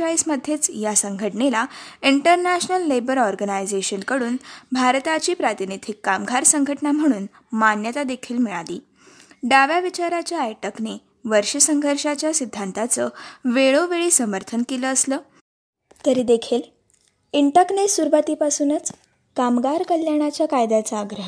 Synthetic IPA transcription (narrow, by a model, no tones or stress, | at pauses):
ajsməd̪ʱjet͡sjasəŋɡʱəʈɳelaiɳʈəɾnæɕnəlːebəɾɔɾɡənajd͡zeɕənkəɽuːnbʱaɾt̪at͡ɕiːpɾat̪init̪ʰikːamɡʱaɾsəŋɡʱəʈnam̤əɽ̃uːn | manjət̪ad̪ekʰiːlmiɭaliː | ɖaʋjaʋit͡ɕaɾat͡ɕjaːjʈəkne | ʋəɾʂəsəŋɡʱəɾʂat͡ɕjasid̪ʱːant̪at͡səʋeɭoʋeɭiːsəməɾt̪ʰənkeləːsləː | t̪əɾiːd̪ekʰiːl | iɳʈəknesuɾʋat̪iːpasuːnət͡s | kamɡʱaɾkəljaɽ̃at͡ɕjakajd̪at͡saːɡɾəɦ